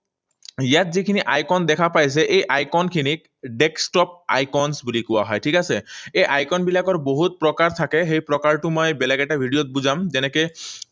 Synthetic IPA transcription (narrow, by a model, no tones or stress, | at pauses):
ijatzikʰiniʔajkɔnd̪ɛkʰapajs̬ɛʔejʔajkɔnkʰinik̚ | ɖɛksʈɔp̚a̰jkɔnsbulikʊwa̰ɦɔjtʰikasɛejʔajkɔnbilakɔɹboɦut̚pɹɔkaɹt̪ʰakɛxejpɹɔkaɹʈʊmɔjbɛlaɡɛʈabʱiɖijot̚buzamzɛnɛkɛ